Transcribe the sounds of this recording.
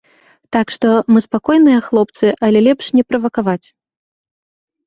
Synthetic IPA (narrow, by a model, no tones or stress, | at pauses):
t̪akʂt̪ɔmɨspakɔjnɨjɐxlˠɔp̚t̪sɨʔɐlʲɛlʲɛpʂnʲɛpɾɐvɐkavat͡sʲ